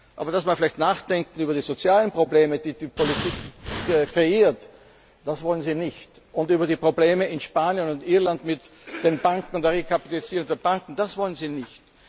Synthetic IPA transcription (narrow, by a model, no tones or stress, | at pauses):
ʔa̰ːbɐd̥asmafɪlɛɪçtnaːxd̥ɛŋkŋ̩yːbɐdiːzot͡sjaːlənpʁ̥obleːməd̥iːdiːpʰolitiːkkʁeiːɐt | d̥asvɔlənziːnɪçt | ʊntyːbɐdiːpʁ̥obleːməɪnʃpaːnjənʊntʔiɐlantmɪt | d̥enbaŋkŋ̩dɛɐʁekʰapitalɪziːʁʊ̃ŋd̥eːb̥aŋkŋ̩d̥asv̥ɔlənziːnɪçt